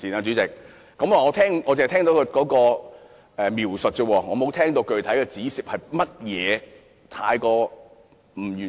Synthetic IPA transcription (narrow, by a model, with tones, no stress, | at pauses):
iː˨˩naː˧t͡ʃy˨˥t͡sɪ˨k̚ː | ɐ˨˥mwaː˨ŋɔː˨˧t̪ʰɛː˥ŋɔː˨˧t͡se˨˩˨t̪ʰɛː˥ŋt̪o˨˥wkʰɵ˧kɔː˨˥kɔː˧ | ɛː˨miː˨˩wsɵ˨t̚kə˧wɔː˧ŋɔː˨˧mo˨˧wt̪ʰɛː˥ŋt̪o˧wkɵ˨ɥt̪ʰɐ˨˥jkɛː˧t͡siː˨˥siː˨p̚hɐ˨jmɐ˥t̚jɛː˨˧ | t̪ʰaː˧jkɔː˧ | m̩˨˩jyː˨